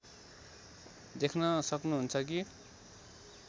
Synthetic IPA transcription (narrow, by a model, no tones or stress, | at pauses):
d̪ekʰnʌsʌknuɦunt͡sʰʌki